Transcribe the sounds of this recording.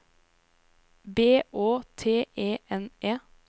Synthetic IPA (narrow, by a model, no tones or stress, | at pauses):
beːʔoːt̪ʰeːʔeːʔɛnʔeː